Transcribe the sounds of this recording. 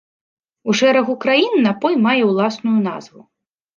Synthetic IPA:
uʂɛɾɐɣukɾajinːɐpɔjmajɛwlˠasnujuna̰zvu

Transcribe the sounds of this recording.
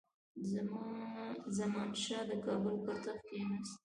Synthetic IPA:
m | zamɑnʃɑd̪əkɑbʊlkʊɾt̪axkenɑst̪̚

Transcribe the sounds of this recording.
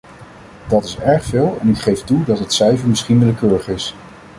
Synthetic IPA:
d̥ɑtɪsɛɹχfɪːlˠɛnɪkχejftudɑtətsɛjvəɹmɪsχinʋɪləkøːɹəχɪs

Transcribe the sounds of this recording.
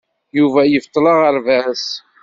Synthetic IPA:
juvæjəft̪ˤːləʁəɾvæs

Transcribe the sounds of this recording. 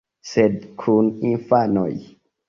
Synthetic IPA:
sedkʰuninfano̰j

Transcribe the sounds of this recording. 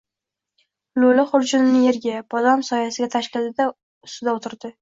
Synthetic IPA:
lʊlaχʊɾd͡ʒʊnɪnɪje̞ɾɡʲabʰɒd̪ɒmsɒjasɪɡʲat̪ʰaʃkʲɪlɪd̪a | ʊsʊd̪aot̪ʰɪɾd̪ɪ

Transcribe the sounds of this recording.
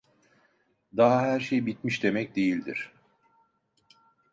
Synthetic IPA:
d̪aɦaɦæɾʃejbit̪miʃd̪e̞mɛc̚d̪e̞jilʲd̪ḭɾ̥

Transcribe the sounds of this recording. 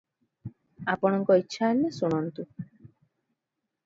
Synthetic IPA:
apɔɽ̃ɔŋkɔitːʃʰaenesuɽ̃ɔnt̪u

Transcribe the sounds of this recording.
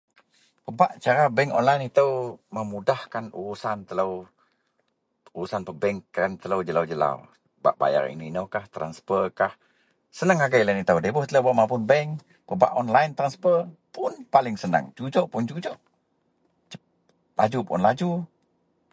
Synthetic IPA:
pəbaʔt͡ʃaɾabɛŋkɔ̰nlajnit̪əwməmudahkanṵɾusant̪ələw | uɾusanpəbɛŋkənt̪ələwd͡ʒəlawd͡ʒəla̰w | ba̰ʔba̰ja̰rḭniinəwkaht̪ɾanspərkah | sənaŋaɡajlanit̪əwdebʊht̪ələwbaʔmapʊnbɛŋ | pəba̰ʔɔnlaint̪ɾanspərpʊnpalɪŋsənə̰ŋd͡ʒud͡ʒɔʔpʊnd͡ʒud͡ʒɔʔ | lad͡ʒupʊ̰nlad͡ʒu

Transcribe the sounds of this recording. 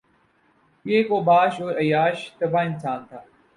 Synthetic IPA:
ɪeːkoːbaːʃoːɾɐjaːʃt̪ɐbʱaːɪnsaːnt̪ʰaː

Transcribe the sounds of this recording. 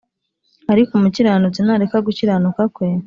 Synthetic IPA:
aɾikumuciɾanut͡sinaɾekaɡuciɾanukakwe

